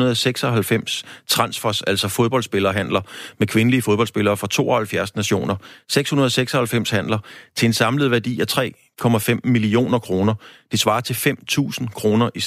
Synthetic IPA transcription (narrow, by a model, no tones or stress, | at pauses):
ɐð̩ˠɒseɡ̥sɒɦælfem̰st͡sʰʁɑ̈nsfɒsæl̰sɒ̽foð̞ˠb̥ɒ̽ldsb̥e̝lɐːɦænlɐmekʰʋe̝nəliəfoðb̥ɒl̰sb̥e̝lɐːfɒ̽t͡sʰo̝̰ːʔɒhælfjæɐsnæɕo̝̰ːnɐseɡ̥shunɐð̞ˠɒseɡ̥sɒ̽hælfem̰shæn̰lɐt͡sʰe̝e̝nsɑ̈mləð̞̩ˠʋæɐd̥ḭːæt͡sʰʁɛ̰ː | kʰɒ̽mæfem̰milio̝̰ːnɐkʰʁo̝ːnɐd̥e̝sʋɑ̈ːt͡sʰe̝fem̰t͡sʰṵːsn̩kʰʁo̝ːnɐʔi